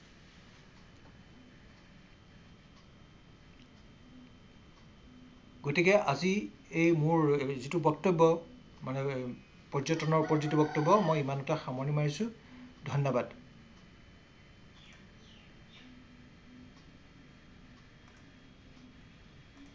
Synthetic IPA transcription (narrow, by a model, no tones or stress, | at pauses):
ɡotikɛʔazi | ejmʊɹzitubɔktɔbːɔ | manɛ | pɔzɔtɔnɔɹpɔzɔtibɔktɔbːɔmɔjimanɔtaxamɔɹnimaɹisʊdʱɔnːɔbad